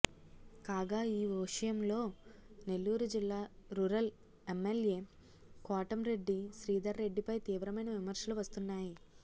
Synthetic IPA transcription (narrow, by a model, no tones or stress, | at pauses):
kaːɡaːiːʋɐʂɐjɐmlo̞ːne̞lːuːɾud͡ʒilːaːɾuːɾɐl | emːelje̞ː | kaːʈɐmɾe̞ɖːiʃɾiːd̪ɐɾːe̞ɖːipɐjt̪iːʋɾɐmɐjnɐʋimɐɾʂɐluʋɐst̪unːaːji